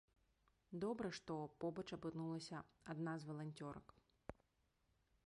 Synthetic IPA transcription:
d̪ɔbɾɛʂt̪ɔpɔbɐt͡ʃɐpɨnulˠɐsʲɐad̪nazvɐlˠanʲtʲɔɾɐ̰k

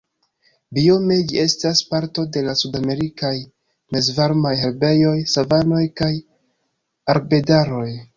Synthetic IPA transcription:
bio̞me̞d͡ʒie̞staspaɾto̞de̞lasudame̞ɾikaj | me̞zvaɾmajheɾbe̞jo̞jsavano̞jkaj | aɾbe̞daɾo̞j

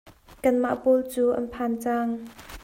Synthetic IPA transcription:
kɐnma̰ʔpolt͡suːʔɐ̰npʰant͡saŋ

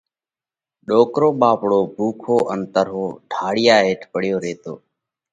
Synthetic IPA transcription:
ɗoːkɾoːɓaːpɽoːbʱuːkʰoːʔənt̪əɾɦoːɖʱaːɽɪjaːɦeːʈʰpəɽjoːɾeːt̪o̰ː

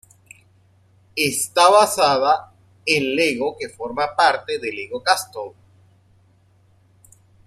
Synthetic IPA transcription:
est̪aβasaða | enleɣoke̞foɾmapaɾt̪eðe̞leɣokast̪o

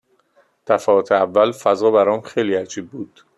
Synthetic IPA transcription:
d̪̥ʰæfɒːot̪ʰeævːælfæzɒːbæɾɒːmxejliːæd͡ʒiːb̚ːuːd̪̥

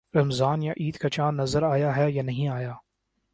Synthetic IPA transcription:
ɾɐmzaːnjaʔiːd̪kɐt͡ʃãːnnːɐzəɾaːjaɦɛjanɐɦĩaːjaː

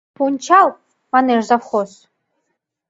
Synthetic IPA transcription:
pʰunʲt͡ʃʰal | manerzafχos

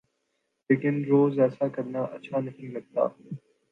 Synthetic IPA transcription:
leːkɪnɾoːzɛːsakɐɾnaʔɐ̰ːʃʰanɐɦĩlɐɡ̚t̪a̰ː

